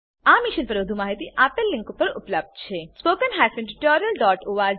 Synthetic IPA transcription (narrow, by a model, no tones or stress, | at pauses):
aːmɪʃənpɐɾʊd̪ʱumaːɦit̪iʔaːpəlːɪ̃ŋkupːəɾʊ̰pləb̚d̪̚t͡ʃʰespoːkənɦaːsə̃nɖʈɔːɾjəlɖɔːʈoːaː